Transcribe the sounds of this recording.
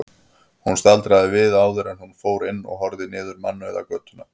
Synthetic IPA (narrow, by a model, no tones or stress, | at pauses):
hunst̪alt̪ɾaðɪvɪðaːwðʏɾɛnhunfoːwɾɪnːɔ̰ɣɦɔɾðɪnɪːðʏɾmanːʏɛða̰kœːt̪ʏna